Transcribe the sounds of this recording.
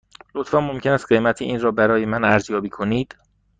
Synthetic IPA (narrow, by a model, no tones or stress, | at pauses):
lot̪fɒːmːo̞mcʰe̞næst̪̚ɢe̞mæt̪ʰeʔiːnrɒːbæɾɒːje̞mænæɾzjɒːbiːkʰo̞niːd̪̥